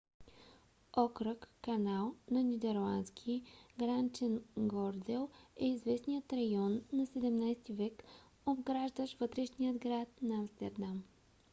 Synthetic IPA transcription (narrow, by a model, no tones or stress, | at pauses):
ɔkɾəkːɐnalˠnɐnʲid̪ɛɾlˠanskʲʰiɡɾant͡ʃɛnɡɔɾd̪ɛlˠɛizvɛsnijət̪ɾɐjɔnːɐsɛd̪ɛmnajst̪ivɛk | obɡɾaʒd̪əʃvɤt̪ɾɛʃnijəd̪ɡɾat̪̚nɐɐmst̪ɛɾd̪am